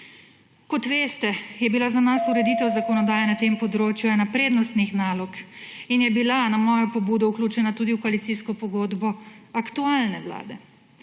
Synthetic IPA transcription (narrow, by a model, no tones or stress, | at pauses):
kɔt̪ʋeːst̪ɛjɛbilazanasuɾɛd̪iːt̪ɛwzakɔnɔd̪aːjanat̪empɔd̪ɾoːt͡ʃjuɛnapɾeːd̪nɔst̪nixnaːlɔkinjɛbilanamɔːjɔpɔbuːd̪ɔwklʲuːt͡ʃɛnat̪uːd̪iwkɔalit̪siskɔpɔɡoːd̪bɔakt̪ualnɛʋla̰ːd̪ɛ